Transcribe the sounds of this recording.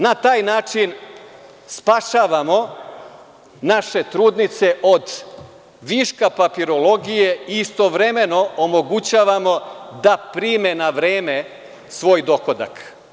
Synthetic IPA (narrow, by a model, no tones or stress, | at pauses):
nat̪aːjnaːt͡ʃin | spaʃaːʋamo̞ | naʃe̞t̪ɾuːd̪nit̪se̞ʔod̪ | ʋiːʃkapapiɾo̞lo̞ɡije̞iːst̪o̞ʋɾeme̞no̞omo̞ɡut͡ɕaːʋamo̞d̪apɾiːme̞naʋɾeːme̞ | sʋo̞ːjd̪o̞kod̪a̰k